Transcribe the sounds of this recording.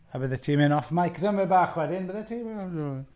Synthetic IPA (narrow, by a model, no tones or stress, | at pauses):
abəðɛtʰiːmɪnɔfmajkʰrəmɛbaːχwɛdɪnbəðɛtʰiːwɛ